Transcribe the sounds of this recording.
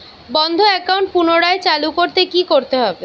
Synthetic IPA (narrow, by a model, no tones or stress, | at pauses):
bɔnd̪ʱoɛkawɳʈ̚punoɽaet͡ɕalukoɾt̪ekikoɾt̪eɦɔbe